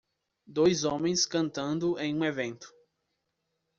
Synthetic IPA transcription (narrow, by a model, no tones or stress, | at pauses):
d̪ojzõmẽj̃skɐ̃nt̪ɐ̃nd̪ʊẽj̃ũevẽnt̪ʊ̥